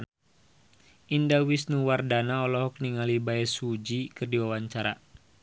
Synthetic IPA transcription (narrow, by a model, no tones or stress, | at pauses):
indawisnuwardanaɔlɔɦɔk̚niŋalibaɛsud͡ʒikɨrdiwawaɲt͡ʃaɾa